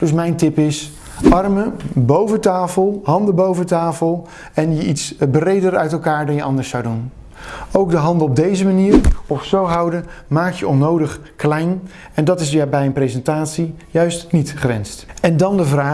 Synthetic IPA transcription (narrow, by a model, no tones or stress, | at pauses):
d̥ɵs̬mɛjntɪpɪs | ʔɑrməbowvətaːfəlˠɦɑndəbowvəntaːfəlˠ | ɛnjəʔitsbrejdəɾœɥtɛlˠkaːɹdɑnjəʔɑndəɹsːɑwdun | owɡdəɦɑndəɔb̚dejzəmaniːɹɔfsowɦɑwdəmaːk̚jəʔɔnowdəχ | klɛjn | ɛndɑtɪsbɛjənprejzɛntaːtsi | jœɥstnitχrɛ̰nstɛndɑndəvraː